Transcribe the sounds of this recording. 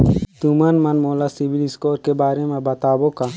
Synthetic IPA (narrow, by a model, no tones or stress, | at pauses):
t̪umɐnmɐnmoːlasibiliskoːɾkebaːɾemẽbɐt̪aːboka